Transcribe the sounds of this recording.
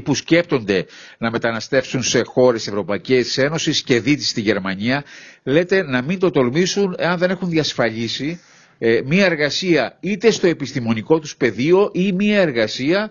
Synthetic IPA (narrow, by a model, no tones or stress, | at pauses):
pusce̞p̚t̪o̞nd̪e̞nɐme̞t̪ɐnɐst̪e̞fsunse̞xo̞ɾe̞se̞vɾo̞pɐice̞se̞no̞sisce̞ðit̪i̥st̪iʝe̞ɾmɐɲiɐle̞t̪e̞nɐmint̪o̞t̪o̞lmisune̞ɐnðe̞ne̞xunðiɐsfɐʎisi | miɐe̞ɾɣɐsiɐit̪e̞st̪o̞e̞pist̪imo̞niko̞t̪uspe̞ðio̞ʔimiɐe̞ɾɣɐsiɐ